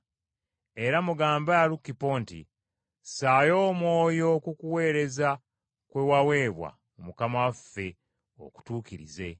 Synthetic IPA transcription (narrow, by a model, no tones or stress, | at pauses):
e̞ɾamuɡaːmbaɾukːipoːntḭ | saːjo̞ːmwo̞ːjo̞kukuwe̞ːɾe̞za | kwewawe̞ːβwa̰ | omukamawafːe̞ | o̰ku̥tuːkiɾḭze̞